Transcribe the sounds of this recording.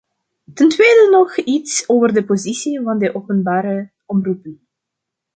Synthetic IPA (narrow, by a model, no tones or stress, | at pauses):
təntʋeːdənɔxitsoːvərdəpozisivɑndəʔowpənbaːɾə | ɔmrupən